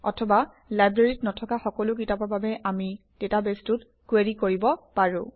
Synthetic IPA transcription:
ɔ̰tʰɔba | lajbɹeɹitnɔtʰɔkaxɔkɔlʊkitapababɛʔami | d̥etabestʊt | kweɹikoɹibɔpaɹʊ̃

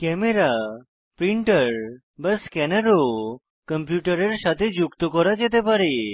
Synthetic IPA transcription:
kɛmeɾa | pɾiɳʈəɾ | bəskɛnəɾo | kəmpjuʈəɾeɾɕat̪ʰed͡ʑukt̪əkɔɾat͡ɕet̪̬epaɾe

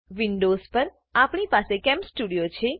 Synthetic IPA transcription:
ʋiɳɖozpəɾ | apɳ̃ipasekɛmsʈuɽijot͡ʃʰe

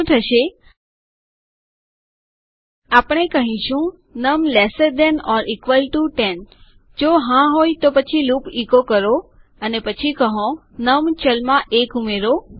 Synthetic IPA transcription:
t̪ʰəʃe | apəɳ̃ekəɦĩʃũ | nəmlesəd̪ɛnɔɾikʋəlʈuʈen | d͡ʒoɦãɦojt̪opət͡ʃʰilũpikokəɾo | ənepət͡ʃʰikəɦõ | nəmt͡ʃəlmãʔekumeɾo

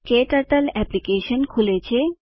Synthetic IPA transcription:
keʈaʈalɛplikeʃonkʰulet͡ɕʰe

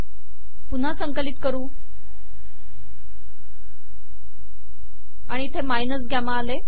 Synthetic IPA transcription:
pun̤asəŋkəliːt̪kəɾuː | aɽ̃it̪ʰemajnəsɡʱjamaːle

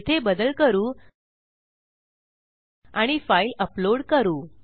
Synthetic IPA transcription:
t̪ʰebəd̪əlkəɾuː | aɽ̃ifailəploɽkəɾuː

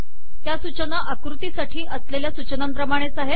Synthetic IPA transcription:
t̪jasut͡ɕənaʔakɾut̪iːsaʈʰiːʔəsleljasut͡ɕənampɾəmaɽ̃et͡saɦe

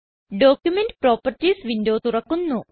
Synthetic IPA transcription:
ɖo̞ːkjumenɖpro̞ːpːɐrtːisʋindo̞ːt̪urɐkːunːu

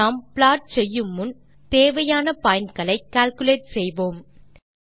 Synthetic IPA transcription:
aːmpɭaːʈ̚sɛjːɯmːɯn | t̪eːʋɐjaːnɐpaːjɪnkɐɭɐɪkːaːlkʊleːʈ̚sɛjʋoːm

